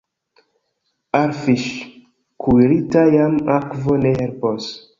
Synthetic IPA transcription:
aɾfiʃ | kʰuɾitajamakvonehelpos

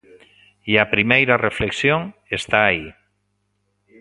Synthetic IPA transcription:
iapɾimejɾarefleksjoŋest̪aːi

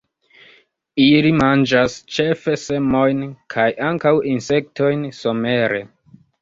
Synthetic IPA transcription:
ilimand͡ʒast͡ʃe̞fe̞se̞mo̞jnkʰajʔaŋkawinse̞k̚to̞jnso̞me̞ɾe̞

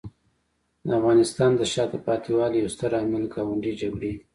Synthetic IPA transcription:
d̪əafɣɑnɪst̪ɑnd̪əʃɑd̪əpɑt̪iwɑljawst̪əɾaməlɡɑwaɳɖid͡ʒaɡɽe

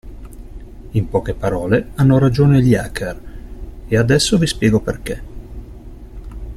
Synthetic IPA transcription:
impɔːkepaɾɔːleanːoɾad͡ʒoːneljakʰer | ead̪ɛsːovispjɛːɡoperke

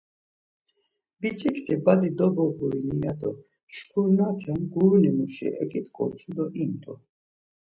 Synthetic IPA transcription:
bit͡ʃʼikʰt̪ʰibad̪id̪ɔbɔɣuɾinijad̪ʼɔ | ʃkʰuɾnat̪ʰɛnɡuɾnimuʃḭʔɛ̰kʼit̪kʼɔ̰ɾt͡ʃʰud̪ɔʔimt̪ʼɔ

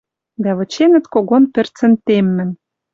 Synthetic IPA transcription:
d̪æβɤ̆t͡ɕenɘ̆t̪koɣonpɘ̆rt͡sɘ̆nt̪emːɘ̆n

